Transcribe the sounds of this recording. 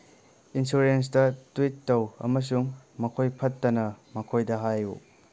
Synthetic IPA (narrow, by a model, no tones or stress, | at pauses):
insuɾens̬dɐtwitːɐwɐ̰mɐs̬uŋmɐkʰojpʰɐtːɐnɐmɐkʰojdɐɦajṵ